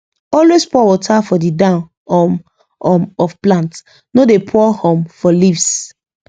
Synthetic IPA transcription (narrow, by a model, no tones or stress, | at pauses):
ɔlwespɔwɔtʰafɔdidãʊn | ɔm | ɔmɔfplãnt | nodepʰɔhɔ̃mfɔlifs